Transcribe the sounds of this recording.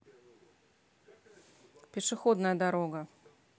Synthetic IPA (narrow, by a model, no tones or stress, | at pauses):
pʲɪʂɨxɔd̪nɐjɐd̪aɾɔɡɐ